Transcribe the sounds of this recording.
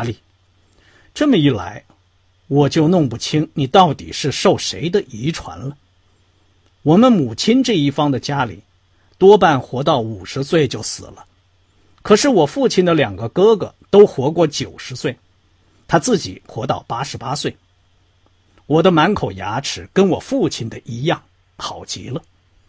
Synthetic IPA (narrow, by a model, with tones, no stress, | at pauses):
li˥˩ | ʈ͡ʂɤ˥˩mə˩i˥˩la̰˧˥ɪ | wɔ˨˩t͡ɕjo˥˧ʊnʊ˥˧ŋpu˥˩t͡ɕʰi˥ŋni˨˩t̪ɑ˥˩ʊt̪ḭ˨˩ʂɻ̩˥˧ʂo˥˩ʊʂḛ˧˥ɪd̪ə˧ʔi˧˥ʈ͡ʂʰwa̰˧˥nlə˧ | wɔ˨˩mə˦nmu˨˩t͡ɕʰi˥nʈ͡ʂɤ˥˧i˥˩fɑ˥ŋd̪ə˨t͡ɕja˥lḭ˨˩˦ | t̪wɔ˥p̬a˥˩nxwɔ˧˥t̪ɑ˥˩ʊu˨˩ʂɻ̩˧˥swe˥˩ɪt͡ɕjo˥˩ʊsɹ̩̰˨˩lə˦ | kʰɤ˨˩ʂɻ̩˥˩wɔ˨˩fu˥˩t͡ɕʰi˨˩nd̪ə˧ljɑ˨˩ŋɡə˦kɤ˥ɡə̰˩t̪o˥ʊxwɔ˧˥kwɔ˥˩t͡ɕjo˨˩ʊʂɻ̩˧˥swe˥˩ɪ | t̪ʰa˥t͡sɹ̩˥˩t͡ɕḭ˨˩˦xwɔ˧˥t̪ɑ˥˩ʊpa˥ʂɻ̩˧˥pa˥swe˥˩ɪ | wɔ˨˩d̪ə˦ma˧˥nkʰo˨˩ʊja̰˧˥ʈ͡ʂʰɻ̩˨˩kə˥nwɔ̰˨˩fu˥˩t͡ɕʰi˨˩nd̪ə˨ʔi˧˥jɑ˥˩ŋ | xɑ˨˩ʊt͡ɕḭ˧˥lə˧